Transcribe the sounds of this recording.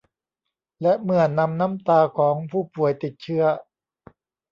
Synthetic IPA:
lɛ˦˥ʔmɯ˧˩ənːa˧mna˦˥mt̪aː˧kʰɔː˩˦ŋpʰuː˥˩pu˨˩əjt̪i˨˩t̪̚t͡ɕʰɯ˦˥ɐ

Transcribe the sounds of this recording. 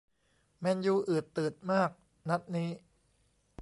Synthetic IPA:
mɛ˧njuː˧ʔɯː˨˩t̪ːɯː˨˩t̪̚maː˥˩k̚ | na˦˥t̪̚niː˦˥

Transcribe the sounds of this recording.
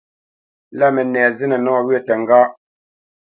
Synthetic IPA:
la˦mɛ˨nɛː˨zɛ˦nɛ˨nɔ˦ŋɔ˨wɥɛ˦tɛ˨ŋ̩˨ɡaː˦ʔ

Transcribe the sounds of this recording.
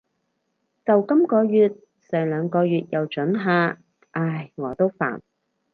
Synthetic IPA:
t͡sɐ˨wkɐ˥mkɔː˧jyː˨˧t̪̚ | sœː˨˩ŋlœː˨˧ŋkɔː˧ɥyː˨˧t̚jɐ˨wt͡ʃɵ˨˥nɦaː˧ | ʔaː˧˩jŋɔː˨˧t̪o˥wfa̰ː˨˩n

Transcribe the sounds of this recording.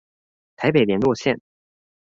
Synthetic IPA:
t̪ʰa˧˥ɪpe˨˩ɪljɛ˨˩nlwɔ˥˧ɕjɛ˥˩n

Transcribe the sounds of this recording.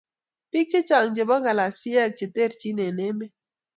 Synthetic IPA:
pi˦k̚t͡ʃe˦t͡ʃa˨ŋd͡ʒe˨bɔ˦ɡa˨la˨si˦ɛ˦k̚t͡ʃe˨te˦˨ɾt͡ʃi˦ne˨ne˦me˦

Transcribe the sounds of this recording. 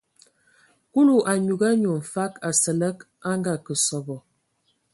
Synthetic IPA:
ku˦lu˨ʔa˨ɲu˨ɡa˦ɲu˨m̩˨fa˦ka˨sə˨lə˦k | a˦ŋɡa˨kə˨sɔ˨bɔ˨

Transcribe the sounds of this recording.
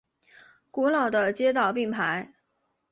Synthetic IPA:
ku˧˥lɑ˨˩ʊd̪ə˦t͡ɕjɛ˥t̪̬ɑ˨˩ʊpi˥˩ŋpʰa˧˥ɪ

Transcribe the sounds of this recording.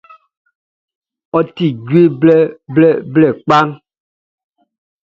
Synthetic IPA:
ɔ˦ti˨ɡwe˦bɛ˦blɛ˦˨blɛ˨k͡pa˦ŋ

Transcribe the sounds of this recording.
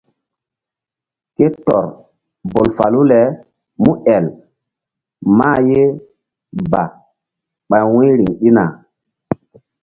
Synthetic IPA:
ke˦tɔ̰˨ɾ | bo˨lfa˨lu˦lɛ˨˦ | mu˦ʔɛ˨l | ma˦je˦ | ba˨ | ɓa˨jwĩ˦ɾi˨ŋɗi˦na˨

